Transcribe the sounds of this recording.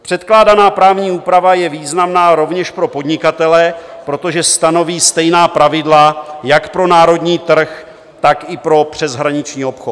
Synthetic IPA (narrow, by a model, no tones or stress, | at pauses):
pr̥ɛt̪klaːdanaːpɾaːvɲiːuːpɾavajɛviːznamnaːɾo̞vɲɛʃpɾo̞po̞dɲɪkat̪ɛlɛ | pɾo̞t̪o̞ʒɛst̪ano̞viːst̪ɛjnaːpɾavɪdlajakpɾo̞naːɾo̞dɲiːt̪r̩x | t̪akɪpɾo̞pr̝̥ɛzɦɾaɲɪt͡ʃɲiːopxot̪